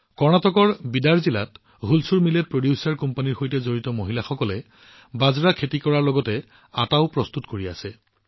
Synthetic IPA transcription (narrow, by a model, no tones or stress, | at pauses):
kɔɹnatɔkɔɹbidaɹzila̰t | ɦulsuɹmilepɹodjʊsaɹkɔmpaniɹxojtɛzoɹitɔmoɦilaxɔkɔlɛ | bazɹakʰetikɔɹaɹlɔɡɔtɛ | ataʊpɹɔstutkoɹia̰sɛ